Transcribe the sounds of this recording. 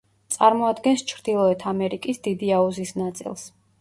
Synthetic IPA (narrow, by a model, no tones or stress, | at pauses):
t̪sʼaɾmɔad̪ɡɛnst͡ʃʰɾd̪ilˠɔɛt̪ʰamɛɾikʼisd̪id̪iauzisnat̪sʼḭlˠs